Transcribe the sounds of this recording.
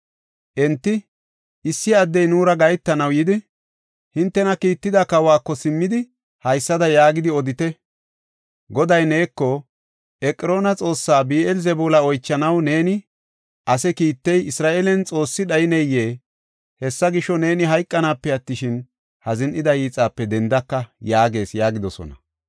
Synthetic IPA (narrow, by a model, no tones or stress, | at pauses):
ʔɛnt̪ːɪ | ʔɪsːɪɐd̪ːɛjnuːɾɐɡɐjt̪ːɐnɐwjɪd̪ɪ | hɪnt̪ːɛnɐkiːt̪ːɪd̪ɐkɐwaːkːɔsɪmːɪd̪ɪ | hɐjsːɐd̪ɐjaːɡɪd̪ɪɔd̪ɪt̪ɛ | ɡɔd̪ɐjne̞ːkːɔ | ʔɛkʼːɪɾo̞ːnɐt͡sʼo̞ːsːaːbiːɛlzɛbuːlɐɔjt͡ʃːɐnɐwne̞ːnɪ | ʔɐsɛkiːt̪ːɛjɪsɾaːʔelɛnt͡sʼo̞ːsːɪɗɐjɪnɛjːe̞ː | hɛsːɐɡɪʃːɔne̞ːnɪɦɐjkʼːɐnaːpːɛɐt̪ːɪʃɪn | hɐzɪnʔɪd̪ɐjiːt͡sʼaːpːɛd̪ɛnd̪ɐkːɐjaːɡe̞ːsjaːɡɪd̪ɔsɔ̰nɐ̰